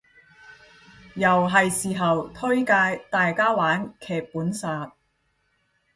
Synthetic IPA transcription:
jɐ˨˩wɦɐ˨jsiː˨ɦɐ˨wt̪ʰɵ˥ɥkaː˧jt̪aː˨jkaː˥waː˨˥nkʰɛː˨k̚puː˨˥nsaː˨t̚

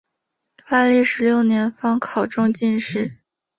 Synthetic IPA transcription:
fa˥˧li˥˩ʂɻ̩˧˥ljo˥˩ʊnjɛ˧˥nfɑ˥ŋkʰɑ˨˩ʊʈ͡ʂʊ˥ŋt͡ɕi˥˧nʂɻ̩˥˩

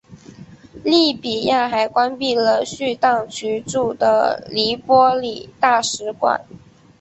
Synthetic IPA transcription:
li˥˩pi˨˩ja˥˩xa˧˥ɪkwa˥npi˥˩lə˩ɕy˥˧t̪ɑ˥˩ŋt͡ɕʰy˧˥ʈ͡ʂu˥˩d̪ə̰˦li˧˥pwɔ˥li˨˩t̪a˥˩ʂɻ̩˧˥kwa̰˨˩˦n

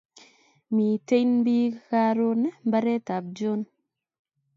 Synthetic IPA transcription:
mi˨te˦jnbi˦ka˦ɾo˦na˦mba˦ɾɛ˦ta˨b̚d͡ʒo˦n

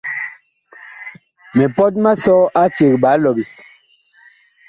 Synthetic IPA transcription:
me˨pɔ˦t̬̚ma˦sɔ˦ʔa˦t͡ʃe˨k̚ɓa˨˦lɔ˨bi˦

